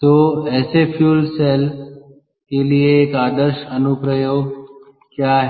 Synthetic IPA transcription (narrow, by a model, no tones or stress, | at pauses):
t̪oːeːsefʰjuːlseːl | keːlieːkaːd̪əɾʃɐnupɾəjoːɡ | kjaːɦ